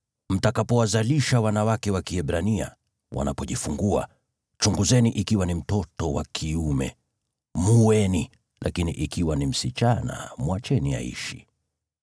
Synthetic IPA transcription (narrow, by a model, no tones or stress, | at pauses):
m̩takapɔwazaliʃawanawakɛwakiɛɓɾania̰ | wʔa̰napɔʄifuŋɡua̰ | t͡ʃuŋɡuzɛniʔikiwanim̩tɔtɔwa̰kʰiumɛ̰ | muwɛni | lʔakiniʔikiwanim̩sit͡ʃana̰mwat͡ʃɛnia̰ḭʃḭ